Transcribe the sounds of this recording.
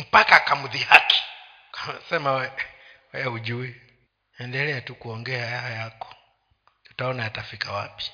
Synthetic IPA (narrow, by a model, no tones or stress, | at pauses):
m̩pakakamuðihaki̥ | ksɛmawɛwɛɛud͡ʒuɛ | ɛndɛlɛatukuɔŋɡɛajahajakɔ̥ | tu̥taɔnaatafikawa̰pi̥